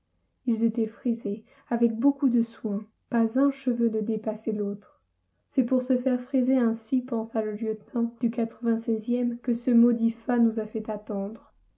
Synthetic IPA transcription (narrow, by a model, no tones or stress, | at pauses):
ilzet̪ɛfχize | avɛk̚bokud̪əswɛ̃ | pazɛ̃ʃəvønəd̪epasɛlot̪χ | sɛpuʁsəfɛʁfχizeɛ̃sipɑ̃saləljət̪nɑ̃d̪̥ykat̪χəvɛ̃sɛzjɛmkəsəmɔd̪ifanuzafɛt̪at̪ɑ̃d̪ʁ